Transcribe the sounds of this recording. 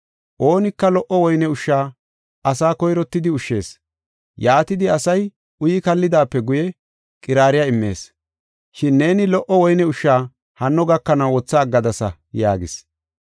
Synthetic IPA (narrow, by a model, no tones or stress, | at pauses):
ʔo̞ːnɪkːɐlɔʔɔwɔjnɛʊʃːaː | ʔɐsaːkɔjɾɔt̪ːɪd̪ɪʊʃːe̞ːs | jaːt̪ɪd̪ɪɐsɐj | ʊjɪkɐlːɪd̪aːpːɛɡʊjɛ | kʼɪɾaːɾɪjaːɪmːe̞̰ːs | ʃɪnːe̞ːnɪlɔʔɔwɔjnɛʊʃːaː | hɐnːɔɡɐkːɐnɐwwɔt͡sːɐːɡːɐd̪ɐsɐ | ja̰ːɡɪs